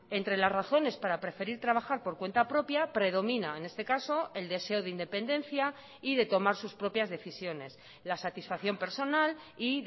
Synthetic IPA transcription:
e̞nt̪ɾe̞lazraθo̞ne̞spaɾapɾe̞fe̞ɾiɾt̪ɾaβ̞axaɾpo̞ɾkwe̞nt̪apɾo̞pjapɾe̞ðo̞mĩnaene̞st̪e̞kaso̞e̞ld̪e̞se̞oðeind̪e̞pe̞nd̪ẽ̞nθja | iðe̞t̪o̞maɾsuspɾo̞pjazðe̞θisjo̞ne̞s | lasat̪isfaθjo̞mpe̞ɾso̞nal | i

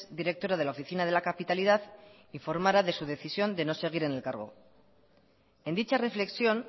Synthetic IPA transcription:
zd̪iɾe̞k̚t̪o̞ɾað̞e̞laofiθinað̞e̞lakapit̪alið̞að | iɱfo̞ɾmaɾaðe̞suð̞e̞θisjo̞nd̪e̞no̞se̞ɣ̞iɾe̞ne̞lkaɾɣ̞o̞ | e̞nd̪it͡ʃare̞fle̞ksjo̞n

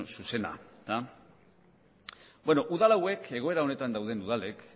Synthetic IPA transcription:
suse̞na̰t̪a | bwenoʔuðalawe̞ke̞ɣ̞o̞e̞ɾaone̞t̪and̪awðe̞nuðale̞k

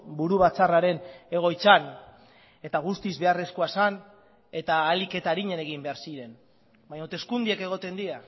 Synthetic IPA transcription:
buɾuβ̞at͡saraɾe̞ne̞ɣ̞o̞jt͡san | e̞t̪aɣ̞ust̪izβe̞are̞sko̞asan | e̞t̪aːlike̞t̪aɾiɲene̞ɣ̞imbe̞aɾsiɾe̞n | baɲot̪e̞skund̪ieke̞ɣ̞o̞t̪e̞nd̪ia

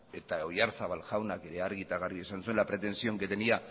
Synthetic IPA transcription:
e̞t̪ao̞jaɾsaβalʝawnake̞ɾe̞aɾɣit̪aɣariesansue̞nlapɾe̞t̪e̞nsio̞ŋket̪enia

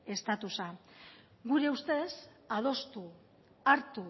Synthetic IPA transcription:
e̞st̪at̪usa | ɡuɾe̞ust̪e̞s | að̞o̞st̪u | aɾt̪u

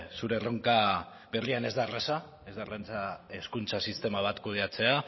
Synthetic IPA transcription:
suɾe̞ro̞ŋka | be̞riane̞zd̪arasa | e̞zd̪arant͡sae̞skunt͡sasist̪e̞maβ̞at̪kuð̞eat͡se̞a

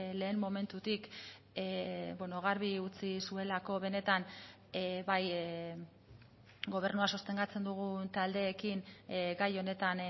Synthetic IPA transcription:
le̞ːnmo̞me̞nt̪ut̪ik | bweno̞ɣ̞aɾβiut͡sisue̞lako̞βe̞ne̞t̪an | baj | ɡo̞β̞e̞rnuaso̞st̪e̞ŋɡat͡se̞nd̪uɣ̞unt̪ald̪e̞ːkinɡajo̞ne̞t̪an

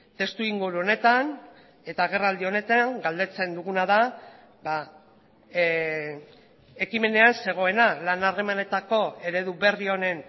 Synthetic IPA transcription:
t̪e̞st̪uiŋɡuɾuo̞ne̞t̪an | e̞t̪aɣ̞e̞rald̪io̞ne̞t̪aŋɡald̪e̞t͡se̞nd̪uɣunaða | ba | e̞kime̞ne̞anse̞ɣ̞o̞e̞nalanare̞mane̞t̪ako̞e̞ɾe̞ðuβe̞rio̞ne̞n

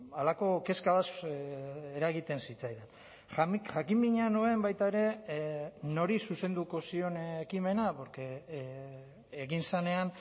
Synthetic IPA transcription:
alako̞ke̞skaβas | eɾaɣit̪e̞nsit͡sajðen | xaxakimbiɲanue̞mbajt̪aeɾe̞ | no̞ɾisuse̞nd̪uko̞sio̞nekime̞napoɾke | ɣinsane̞an

